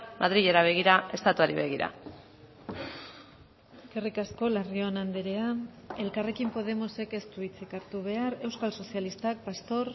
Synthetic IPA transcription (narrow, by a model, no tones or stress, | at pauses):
maðɾiʎe̞ɾaβ̞e̞ɣ̞iɾae̞st̪at̪uaɾiβe̞ɣ̞iɾa̰ | ekerikasko̞larionand̪eɾea | e̞lkare̞kimpo̞ð̞e̞mo̞se̞ke̞st̪uit͡sikaɾt̪uβe̞aɾe̞wskalso̞sialist̪ak̚past̪o̞ɾ